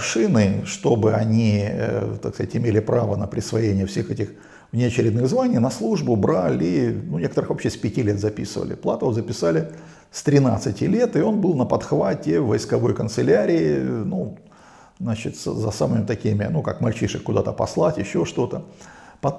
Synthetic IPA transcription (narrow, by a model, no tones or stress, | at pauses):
ʂɨnɨʂt̪o̞bɨɐnʲit̪akskɐzatʲɪmʲelʲɪpɾavənəpɾʲɪsvɐjenʲɪjəfsʲe̞xɛtʲɪx | vnʲɪɐt͡ɕɪɾʲɪd̪nɨɣzvanʲɪjnɐslˠuʐbʊbɾalʲinunʲekət̪əɾɨxvɐpɕːesʲpʲɪtʲilʲe̞t̪zɐpʲisɨvə̰lʲɪ̰plˠat̪əzəpʲɪsalʲɪ | st̪ɾʲɪnat̪sɨtʲɪlʲe̞t̪ɨo̞nbɨlˠnəpɐt̪xvatʲɪvːəjskɐvo̞jkənt̪sɨlʲæɾʲɪːɪnu | znat͡ɕɪt̪szɐ̰samɨmʲɪt̪ɐkʲimʲɪnuka̰kmɐlʲt͡ɕiʂɨxkːʊd̪at̪əpɐslˠatʲɪɕːo̞ʂt̪o̞t̪ə | pɐ